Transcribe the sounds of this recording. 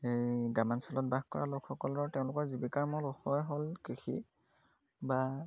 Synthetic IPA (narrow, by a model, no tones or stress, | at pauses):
ejɡamansɔlɔt̚baxkɔ̰ɹa̰lokʰxɔkɔlɔɹtɛʊ̃lʊkɔɹzibikaɹmɔloxɔjɦolkixḭ | ba